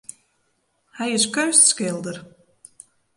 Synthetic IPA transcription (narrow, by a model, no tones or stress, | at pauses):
hæjɪskœɥst̪skɪlˠd̪ər